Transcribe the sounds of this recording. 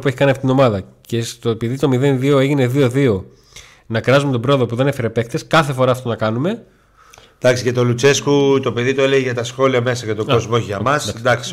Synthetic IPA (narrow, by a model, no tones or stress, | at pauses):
pueçi̥kɐniɐft̪it̪ino̞mɐðɐce̞st̪opiðit̪o̞miðe̞nðio̞e̞ʝine̞ðio̞ðio̞ | nɐkɾɐzumet̪obɾo̞oðo̞puðe̞nefeɾepe̞kt̪e̞skɐθe̞fo̞ɾɐːft̪onɐkɐnume̞ | d̪̥ɐksiʝɐt̪o̞lut͡se̞skut̪o̞pe̞ðit̪oeleʝeʝɐt̪ɐsxo̞liɐme̞sɐʝɐt̪oozmooçiʝɐmɐsd̪ɐd̪ɐks